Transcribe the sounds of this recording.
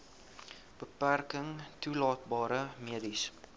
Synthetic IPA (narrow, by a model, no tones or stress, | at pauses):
b̥əpːæɾkɪŋt̪ʰuːlɑːt̪̚bɑːɾəmed̪is